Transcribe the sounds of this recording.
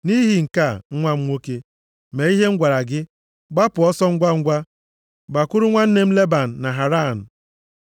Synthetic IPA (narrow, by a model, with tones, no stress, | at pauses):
ni˦ɦi˨ŋ̩˨ka˦˨ŋ̩˦ŋʷa˦m̩˦ŋʷo˦ke˦ | me˨i˦ɦe˦ŋ̩˦ɡʷa˨ɾa˨ɡɪ˦ | ɡ͡ba˦pʊ˨ɔ˦sɔ˦ŋ̩˦ɡʷa˦ŋ̩˦ɡʷa˦ | ɡ͡ba˨kʊ˦ɾʊ˦ŋʷa˦n̩˦ne˦m̩˦le˦ba˨n̩˨na˨ɦa˨ɾa˦˨n̩˨